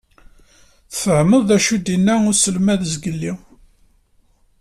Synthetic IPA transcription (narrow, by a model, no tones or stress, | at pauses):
θθəʕməðˤæʃud̪inːæʊɾsəlmæðəzɡəlːi